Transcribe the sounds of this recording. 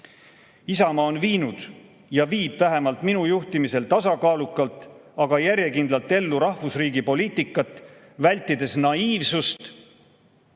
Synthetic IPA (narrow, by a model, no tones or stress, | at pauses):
isɑmɑonviːnud̪̥ | jɑviːb̥væɦe̞mɑlt̪minujuht̪imise̞lt̪ɑsɑkɑːlukːˑɑlt̪ˑɑɡɑjæɾjekind̪lɑlt̪ːe̞lːuɾɑhvusriːɡipo̞liːt̪ˑikːˑɑt̪ˑː | vælʲt̪ːˑid̪̥e̞snɑiːvsust̪